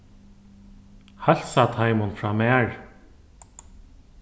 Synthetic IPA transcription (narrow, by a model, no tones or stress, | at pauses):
hal̥sat̪ʰajmʊnfɹaːmɛːɹ